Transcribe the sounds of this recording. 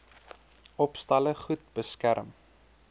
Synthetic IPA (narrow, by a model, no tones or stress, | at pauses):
ʔɔpstɐləχut̚bəskæɾəm